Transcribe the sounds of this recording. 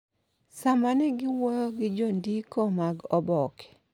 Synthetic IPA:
samanɛɡɪwɔjɔɡɪd͡ʒondikɔmaɡɔbɔkɛ̥

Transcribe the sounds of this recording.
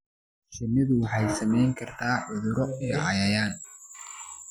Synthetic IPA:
ʃɐnːɪðʊwɑħɑjsɐmɛjŋkʰɐrt̪ʰaːʕʊðʊɾɔijɔʕɑjɐjaːn

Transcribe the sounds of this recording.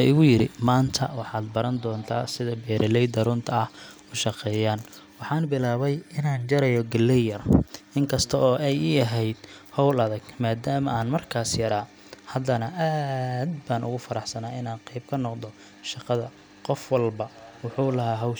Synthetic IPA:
ɪɣʊjɪɾɪmaːnt̪ʰɐ̰wɑħɑːd̪bɐɾɐnd̪ɔːnt̪ʰa̰ːsɪðɐbɛːɾɐlɛjd̪ɐɾʊnt̪ʰɐɐh | ʊʃɑqɛːjaːnwɑħɑːnbɪlaːβɛjɪnaːnt͡ʃɐɾɛjɔɡɐlːɛjɐrɪŋkʰɐst̪ʰɐɔːɛjiɐɦɛjd̪̥hɔwlɐðɐɡmaːd̪aːmɐʔaːnmɐrkʰaːsjɐɾaː | hɐd̪ɐnɐʔaːd̪baːnʊ̰ɣʊfɐɾɑħsɐnaːɪnaːnqɛjb̚kʰɐnɔqd̪ɔ | ʃɑqɑðɐ | qɔfwɐlbɐwʊħuːlɐɦaːɦɐwʃ

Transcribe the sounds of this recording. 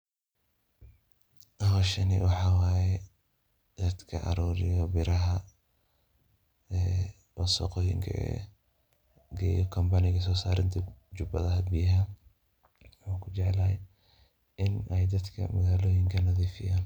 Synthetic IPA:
ʔɐɦɔːʃɐnɪ̰wɑħɑːwaːjɛ | d̪̥ɐd̪kʰɐ̰ʔɐ̰ɾuːɾɪjɔbɪɾɐɦɐ | ɛ | wɔsɔ̰qɔːjɪ̰ŋkʰɐ̰ɛ̰ | ɡɛːjɔkʰɐmbɐnɪɣɐs̬ɔːsa̰ːɾɪnt̪ʰɐd͡ʒʊbɐ̰ðɐɦɐbijɦɐ | wuːkʰʊt͡ʃɛʕlɐhɛ | ʔɪnɛjd̪ɐd̪kʰɐ̰mɐɣaːlɔːjɪŋkʰɐnɐðiːfɪjaːn

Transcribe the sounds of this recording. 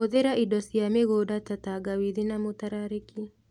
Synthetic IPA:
oðeɾaʔidɔsiameɣodatataɡawiðinamotaɾaɾiki

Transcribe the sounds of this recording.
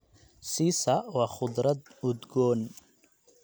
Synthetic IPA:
siːsɐwɑːχʊd̪ɾɐd̪ʊd̪ɡɔːn

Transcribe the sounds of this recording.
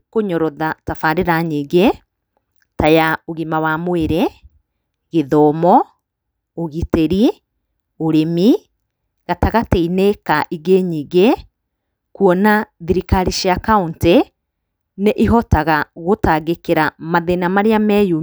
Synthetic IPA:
koɲɔɾɔðatafaɾeɾaɲiɡe | tajaoɣimawamweɾe | ɣeðɔːmɔ | oɣiteɾi | oɾemi | ɣataɣateinekaʔiɡeɲiɡe | kuɔnaðiɾikaɾiʃiakaunte | neʔiɦɔtaɣaɣotaɣekeɾamaðenamaɾeamɛju

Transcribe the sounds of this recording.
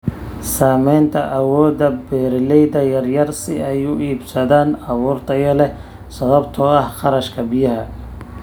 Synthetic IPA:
saːmɛjnt̪ʰɐʔɐwɔːd̪ɐbɛːɾlɛjðɐjɐrjɐrsɪɛjʊʔiːbsɐðaːnɑβuːrt̪ʰɐjɐlɛ | sɐβɐbt̪ʰɔɐhχɑɾɐʃkʰɐbɪjɐɦɐ

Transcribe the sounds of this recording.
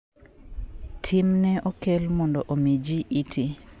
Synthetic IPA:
tʰimnɛʔokelmɔndɔʔomid͡ʒiʔitʰi

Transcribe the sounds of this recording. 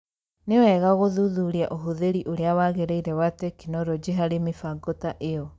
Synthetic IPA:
newɛɣaɣoðuðuɾiaʔoɦuðeɾiʔoɾeawaɣeɾeiɾɛwatekinɔɾod͡ʒeɦaɾemifaɡotaʔeɔ

